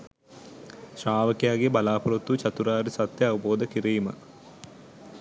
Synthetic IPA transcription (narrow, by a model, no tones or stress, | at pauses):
ʃraːʋəkjaːɡebɐlaːpɐɾot̪ːut͡ʃɐt̪uɾaːɾisɐt̪jɐɐʋɐboːd̪əkiɾiːmɐ̰